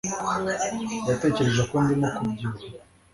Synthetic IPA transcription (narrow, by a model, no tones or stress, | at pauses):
jate̞ːce̞ɾe̞ʒekoːndimokuɟizo